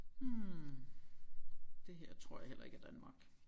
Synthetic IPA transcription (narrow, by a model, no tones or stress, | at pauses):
d̥e̝ɦeɐ̰t͡sʰʁo̝ɐ̰jɑ̈hel̰ɐe̝ɡ̥æd̥ænmɑ̈ɡ̥